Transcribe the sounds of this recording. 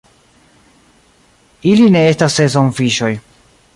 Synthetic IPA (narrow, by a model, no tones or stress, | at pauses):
iline̞estasːezonfiʃo̞j